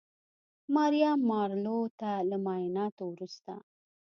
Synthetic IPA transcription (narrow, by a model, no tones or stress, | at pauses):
mɑɾjamːɑɾlot̪alamɑjnɑt̪owɾust̪a̰